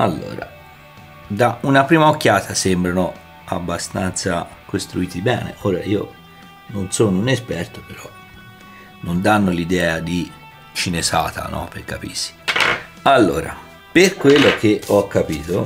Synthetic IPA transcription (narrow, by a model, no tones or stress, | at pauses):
a̰lːo̰ːɾa̰ | d̪aunapɾiːmaokːjaːt̪ʰasembɾano | a̰bːast̪ant̪sa | kost̪ɾuiːt̪ibɛːnḛʔoːɾaiːo̰ | nonsoːnounespɛrt̪opeɾɔ | nond̪anːolid̪ɛːad̪i | t͡ʃinesaːt̪a̰nɔ̰pːerkapḭsi̥ | alːo̰ːɾa̰ | perkwelːok̟eɔkːapiːt̪o